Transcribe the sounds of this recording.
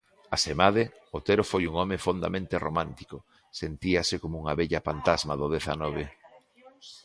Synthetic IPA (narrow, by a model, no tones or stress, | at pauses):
asemaðɪ | ot̪eɾofojuŋɔmefond̪a̰mẽnt̪eromãnt̪i̥kʊ | sent̪iɐsekomʊuŋɐβɛʎɐfant̪azmaðʊðeθa̰nɔβ̞e